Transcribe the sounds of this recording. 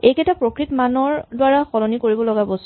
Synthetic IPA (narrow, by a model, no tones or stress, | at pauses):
ejkɛtapɹokɹitmanɔɹdwaɹaxɔlɔnikoɹibɔlɔɡabos